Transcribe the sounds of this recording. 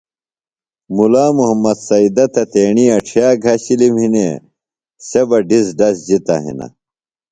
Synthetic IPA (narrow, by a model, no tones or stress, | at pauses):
mulaːmuɦɐmːɐd̪sɐid̪ɐt̪ɐt̪eːɳiɐʈ͡ʂʰijaːɡʱɐɕilimhinḛ | sebɐɖisɖɐsd͡ʑit̪ɐ̰ɦḭnɐ̰